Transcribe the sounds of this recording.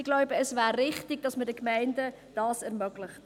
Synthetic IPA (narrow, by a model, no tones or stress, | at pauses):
ɪɡ̥lɔʊbəəsvæːrːɪχtɪɡ̥̚d̥ɑsmədəkmæɪndə | d̥ɑːsɛɾmœɡ̥lɪχt